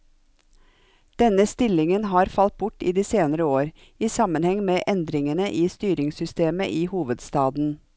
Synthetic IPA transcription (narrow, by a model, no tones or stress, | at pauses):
d̪̥ɛnəst̪ɪlɪŋənhɑːɾfɑlt̪̚bʊʈiːd̪iːseːnəɾəoːɾ | iːsɑmənhɛŋmeːʔɛnd̪ɾɪŋənəʔiːst̪yːɾɪŋsʏst̪eːməʔiːhuːʋəd̪st̪ɑːd̪n̩